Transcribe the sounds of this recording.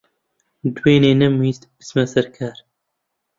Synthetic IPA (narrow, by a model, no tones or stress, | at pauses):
d̪uweːneːnɛmist̪bɨ̥smɛsɛɾkʰaːɾ